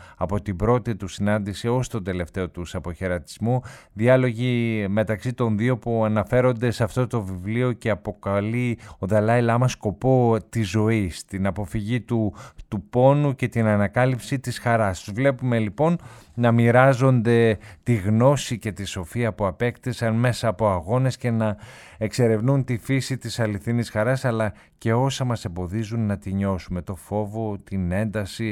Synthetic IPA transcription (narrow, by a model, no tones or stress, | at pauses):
ɐpo̞t̪ibɾo̞t̪it̪usinɐnd̪isio̞st̪o̞nd̪e̞le̞ft̪e̞o̞t̪usɐpo̞çe̞ɾɐt̪i̥zmuðiɐlo̞ʝime̞t̪ɐksit̪o̞nðio̞puɐnɐfe̞ɾo̞nd̪e̞sɐft̪o̞t̪o̞vivlio̞ce̞ɐpo̞kɐlio̞ðɐlɐilɐmɐsko̞po̞t̪izo̞ist̪inɐpo̞fiʝit̪ut̪upo̞nuce̞t̪inɐnɐkɐlipsit̪isxɐɾɐst̪uzvle̞pume̞lipo̞nnɐmiɾɐzo̞nd̪e̞t̪iɣno̞sice̞t̪iso̞fiɐpuɐpe̞kt̪isɐnme̞sɐːpo̞ɐɣo̞ne̞sce̞nɐ | e̞kse̞ɾevnunt̪ifisit̪isɐliθinisxɐɾɐsɐlɐ | ce̞o̞sɐmɐsembo̞ðizunːɐt̪iɲo̞sume̞t̪o̞fo̞vo̞t̪ine̞nd̪ɐsi